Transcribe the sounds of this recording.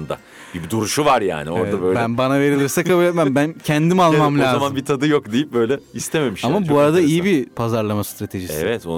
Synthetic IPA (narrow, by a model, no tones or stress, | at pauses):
nd̪a̰ | bid̪uɾuʃuvaɾja̰ːnioɾd̪abøjlbɛænbanave̞ɾilʲiɾsɛkʰabuːlʲe̞t̪mæmbæncʰɛnd̪imalˠmamlʲaːazmanbit̪ʰad̪ɯjokd̪ejip̚bø̞jlʲɛist̪ʰeme̞miʃamabuaɾad̪aijibipʰazaɾlˠamast̪ɾat̪ʰe̞ʒiseḭvɛt̪o̰